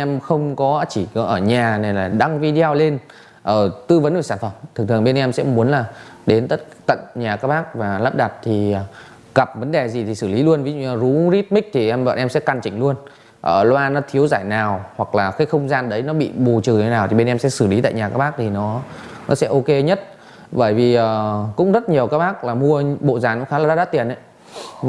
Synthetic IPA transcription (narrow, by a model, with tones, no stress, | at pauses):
ʔɛ˧mxə˧wŋ͡mkɔ˨˦t͡ɕi˧˩ɔ˨˦ʔəː˧˩ɲaː˨˩ne˨˩laː˨˩ɗa˧ŋvi˧ɗi˧a˧wle˧n | ʔəː˧˩t̪ɨ˧və˨˦nʔəː˧˩saː˧˩nfə˧˩mt̪ʰɨ˨˩ŋt̪ɨ˨˩ə˨˩ɓe˧nʔɛ˧msɛ̰˧˥mu˨˦ənlaː˨˩ | ɗe˨˦nt̪ə˦˥t̚t̪ə̰˧˨nɲaː˨˩kaː˦˥k̚ɓaː˦˥k̚vaː˨˩lə˦˥p̚ɗa˨˩t̚t̪ʰi˨˩˨ | ɣə˨˩p̚və˨˦nɗe˨˩zi˨˩t̪ʰi˨˩sɨ˧˩li˨˦lu˧ənvi˨˦˧zu˨˦ɾi˦˥t̚mï˦˥k̚t̪ʰi˨˩ʔɛ˧mɓa̰ː˧˨nʔɛ˧msɛ̰˧˥ka˧˩nt͡ɕï˧˩ŋlu˧ən | ʔəː˧˩lwaː˧nɔ˨˦t̪ʰi˨˦əwzaː˧˩jnaː˨˩whwa˨˩k̚laː˨˩xi˧˨˦xə˧wŋ͡mzaː˧nɗə˨˦jnɔ˨˦ɓḭ˧˨ɓu˨˩t͡ɕɨ˨˩˨aː˨˩wt̪i˨˩ɓe˧nʔɛ˧msɛ̰˧˥sɨ˧˩li˨˦t̪a̰ː˧˨jɲaː˨˩kaː˦˥kɓaː˦˥k̚t̪ʰi˨˩nɔ˨˦nɔ˨˦sɛ̰˧˥ʔo˧ke˧ɲə˦˥t̚ | ɓəː˧˩jvi˨˩ʔəː˨˩kʊ̰˧˥ŋ͡mzə˦˥t̚ɲi˨˩əwkaː˦˥k̚ɓaː˦˥k̚laː˨˩mu˧əɓo̰˧˨zaː˨˩nɔ˨˦xaː˦lːa˨aː˨˦ɗaː˦˥t̪i˨˩ənʔə̰˧˦j